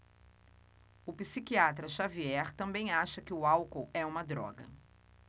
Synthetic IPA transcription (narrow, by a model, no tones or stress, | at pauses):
ʊpisikiat̪ɾɐʃaviɛɾt̪ɐ̃bẽj̃aʃɐkɪʊawkowɛũmɐd̪ɾɔ̰ɡɐ̰